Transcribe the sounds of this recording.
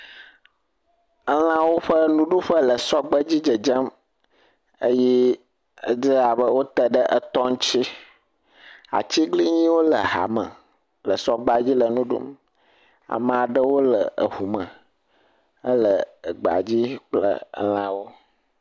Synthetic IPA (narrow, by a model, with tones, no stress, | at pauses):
ə˦l̃ã˦wo˦ɸə˦nũ˦ɖu˦ɸə˦lə˨sɔ˦ɡ͡bə˦d͡ʑi˦d͡ʒə˨d͡ʒə˦m | ə˦jɛ˦ | ə˦zə˦a˨bə˦wo˦t̪ə˨ɖə˦ʔə˨t̪ɔ˦ŋ˦t͡ɕi˦ | a̰˨t͡ɕi˦ɡli˦ɲĩ˦wo˦lə˨ɦa̰˨mə̰̃˨ | lə˨sɔ˦ɡ͡ba˦d͡ʑi˦lə˨nũ˦ɖṵ˦m | a̰˨mə˨a˨ɖə˦wo˦lə˨ə̰˨ɦu˨mə̃˨ | ə˦lə˨ə˨ɡ͡ba̰˨d͡ʑi˦k͡plə̰˦˨ə̰˦l̃ã˦wo˦